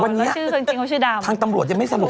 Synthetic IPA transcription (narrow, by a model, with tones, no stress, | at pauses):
wa˧nːi˦˥˨ɯː˥˩kʰɤ˧ŋt͡ɕi˧ŋʰka˧˥˦t͡ɕʰɯː˥˩daː˧wtʰaː˧ŋt̪a˧mɾu˨˩ət̪̚a˨˩ma˥˩jsa˧mu˨˩